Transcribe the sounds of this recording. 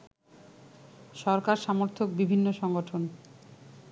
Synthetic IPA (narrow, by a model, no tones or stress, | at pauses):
ʃɔɾkaɾʃamoɾt̪ʰok̚bibʱinːoʃɔŋɡoʈʰon